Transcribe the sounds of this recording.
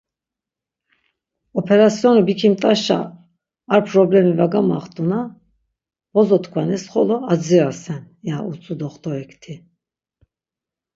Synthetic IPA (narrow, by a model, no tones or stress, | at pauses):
ɔpʰɛɾasiɔnibikʰimt̪ʼaʃa̰ː | ɾpʰɾɔblɛmivaɡama̰χt̪ʼuna | vɔzɔt̪ʰkʰwanɛsχɔlɔad͡ziɾasɛn | jaut͡sʼud̪ɔχt̪ʰɔɛkʰt̪ʰi